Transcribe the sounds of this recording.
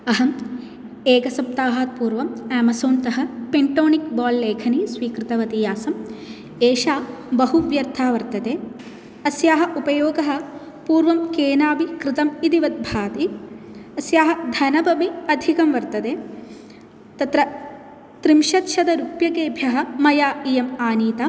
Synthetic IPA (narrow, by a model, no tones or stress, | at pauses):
ɐɦɐm | eːɡɐsɐp̚t̪aːɦaːt̪̚puːɾʋɐmæːmɐsoːnt̪ɐɦɐ̆peɳʈoːnik̚baːlːeːkʰɐnisʋiːkɾit̪ɐʋɐt̪ijaːsɐm | eːʃaːbɐɦuʋjɐɾt̪ʰaːʋɐɾt̪ɐt̪eː | ɐsjaːɦɐ̆ʔupɐjoːɡɐɦɐ̆ | puːɾʋɐmkeːnaːʋikɾɪt̪ɐmit̪iʋɐt̪̚bʱaːt̪i | ɐsjaːɦɐ̆d̪ʱɐnɐbɐmiɐd̪ʱikɐmʋɐɾt̪ɐt̪eː | t̪ɐt̪ɾɐ | t̪ɾimʃɐt̪ʃɐd̪ɐɾupjɐkeːbʱjɐɦɐ̆mɐjaːiːjɐmaːniːt̪ɐ